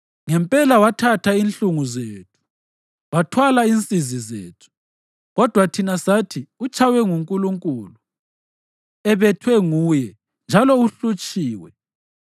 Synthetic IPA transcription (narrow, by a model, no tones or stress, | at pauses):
ŋɛmpʼɛlawatʰatʰainɬuŋuzeːtʰu̥ | βatʰwalaint͡sʼizizḛːtʰu̥ | ɣɔd̥ʱwatʰinasatʰiut͡ʃʰʼawɛŋuŋkʼuluŋkʼuːlu | ɛβɛtʰwɛŋuːjɛ | nd͡ʒʱalɔuɬut͡ʃʼiːwɛ